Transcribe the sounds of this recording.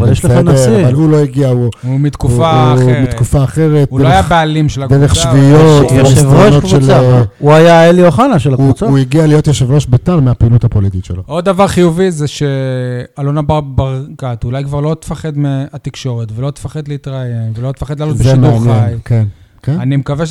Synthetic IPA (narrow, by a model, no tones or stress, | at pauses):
ʃleanesiavalulo̞iɡiauumit̪kufamit̪kufaːχe̞ʁet̪̚uloaejabealimʃelad̪eʁeχʃvijot̪viʃvooʃnotkvʃuelauajaelioχanaʃelakvut͡sauiɡialijo̞t̪jeʃevʁoʃbetalmeapinut̪hapolit̪it̪ʃḛlood̪ːavaʁχijuvizeʃealonababaʁkat̪ulajkvaʁlo̞t̪e̥faχed̪meat̪ikʃo̞ʁet̪velo̞t̪e̥faχed̪leit̪ʁajemvelo̞t̪e̥faχed̪lalotbezʃimeuanjenjkenkenanimekaveʃ